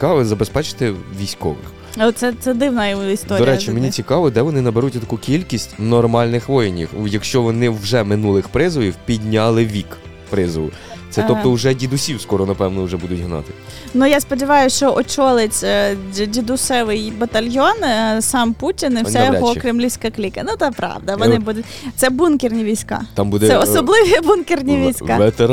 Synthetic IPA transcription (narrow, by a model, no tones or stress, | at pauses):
kɑʋɪzɐbespɛt͡ʃɪ̥t̪ɪʋʲisʲkɔ̰ʋɪ̰x | sɛt̪sɛd̪ɪwnɐjɔɔistd̪ɔɾd̪ɔiɾɛt͡ʃimenʲit͡sʲikɑʋɔd̪ɛʋɔnɪnɐbeɾutʲɔt̪ɐkukʲilʲkʲisʲtʲnɔrmɑlʲnɪxʋɔjɪnʲḭxjɐkʃt͡ʃɔʋɔnɪwʒɛmɪnulˠɪxpɾɪzʋɔjʲiwpʲidʲnʲɑlˠɪʋʲik | pɾɪzʋʊ̰ | t̪sɛɔpt̪ɔuʒɛdʲid̪ʊsʲiwskɔɾɔnɐpɛwnɔwʒɛbud̪ʊtʲɦnɑ̰t̪ɪ̥ | nujaspɔdʲiʋɑjʊʃt͡ʃɔʔɔt͡ʃɔlˠet͡sʲdʲid̪ʊsɛʋɪjbɐt̪ɐlʲjɔnsɑmputʲinɪwsɛjɔɦɔkɾʲɪmlʲisʲkɐklʲikɐnut̪ɛpɾɑ̰ʋd̪ɐʋɔnɪbud̪ʊtʲt̪sɛbunkʲɪrnʲiʋʲijsʲkɑ̰t̪ɑmbud̪ɛɛɔsɔblˠɪʋʲibunkʲɪrnʲiʋʲijsʲka̰ʋet̪e